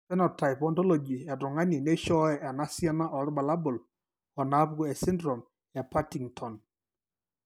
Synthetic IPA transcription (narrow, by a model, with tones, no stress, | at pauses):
sɛ˦nɔ˨ta˨jpɔ˨ntɔ˦lɔ˨d͡ʒi˨a˨tʊ˨ŋa˦ni˨ne˦ʃɔ˦ɛ˨ʔa˨na˦sja˦na˦ʔɔ˨ɾɪ˦ba˨la˦bʊ˨l | ɔ˨na˨˦pɡɔ˦ɛ˨sɪ˦ndɾɔ˨m | ja˨pa˦ti˨ŋtʰɔ˨n